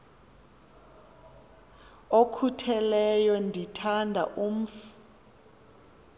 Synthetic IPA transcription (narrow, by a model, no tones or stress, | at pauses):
okʰutʰɛlɛjɔndʱitʰandʱa̰ʔum̩f